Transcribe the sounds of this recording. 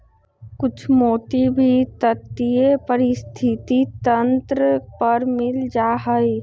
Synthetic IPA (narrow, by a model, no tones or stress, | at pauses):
kʊt͡ʃʰmoːt̪ibʱit̪ət̪ːiepəɾɪst̪ʰɪt̪it̪ənt̪ɾəpəɾmɪld͡ʒaːɦəi